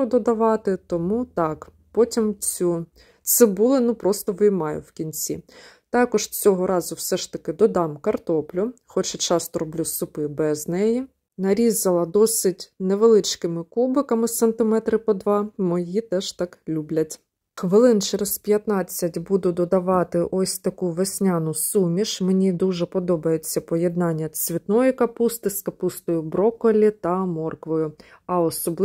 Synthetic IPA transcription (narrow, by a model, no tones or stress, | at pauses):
d̪ɔd̪ɐʋɑt̪ɪt̪ɔmut̪ɑk | pɔtʲimt͡sʲu | t̪sɛbulˠɪnupɾɔst̪ɔʋɪjmɑjʊ̰wkʲinʲt͡sʲḭt̪ɑkɔʒt͡sʲɔɦɔɾɑzʊwsɛʃt̪ɐkɪd̪ɔd̪ɑmkɐrt̪ɔplʲʊxɔt͡ʃɛt͡ʃɑst̪ɔɾɔblʲusʊpɪbɛznɛji | nɐɾʲizɐlˠɐd̪ɔsɪtʲneʋelˠɪt͡ʃkɪmɪkubɪkɐmɪsent̪ɪmɛt̪ɾɪpɔd̪ʋɑmɔjit̪ɛʃt̪ɑklʲublʲɐtʲ | xʋɪlˠɪnt͡ʃɛɾez̥pʲjɐt̪nɑt͡sʲːɐtʲbud̪ʊd̪ɔd̪ɐʋɑt̪ɪʔɔsʲt̪ɐkuʋesʲnʲɑnʊsumʲiʃmenʲid̪uʒɛpɔd̪ɔbɐjet͡sʲːɐpɔjed̪nɑnʲːɐsʲʋʲit̪nɔjʊkɐpust̪ɪskɐpust̪ɔjʊbɾɔkɔlʲit̪ɐmɔrkʋɔjʊ | ɐɔsɔblˠ